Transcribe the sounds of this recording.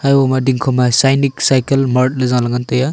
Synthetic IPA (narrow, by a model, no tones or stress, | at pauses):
hajwɔmadiŋkʰɔmasajniksajkelmaɾʈ̚lezawlaŋantəja